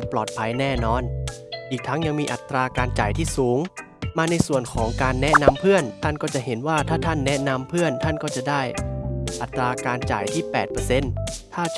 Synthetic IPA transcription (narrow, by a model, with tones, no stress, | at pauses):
plɔː˨˩t̪̚pʰa˧jnɛː˥˩nɔː˧n | ʔiː˨˩k̚t̪ʰːa˦˥ŋja˧ŋmiː˧ʔa˨˩t̪ːɾaː˧kaː˧nt͡ɕa̰ː˨˩jt̪ʰiː˥˩suː˩˦ŋ | maː˧na˧jsu˨˩ənkʰɔː˩˦ŋkaː˧nːɛ˦˥na˧mpʰɯ˥˩ənt̪ʰa˥˩nkɔː˥˩t͡ɕa˨˩ʔɦe˩˦nwaː˥˩t̪ʰaː˥˩t̪ʰa˥˩nːɛ˦˥na˧mpʰɯ˥˩ənt̪ʰa˥˩nkɔː˥˩t͡ɕa˨˩daː˥˩jʔa˨˩t̪ːɾaː˧kaː˧nt͡ɕa̰ː˨˩jt̪ʰiː˥˩pɛː˨˩t̪̚pɤː˧se˧˩nt̪ʰaː˥˩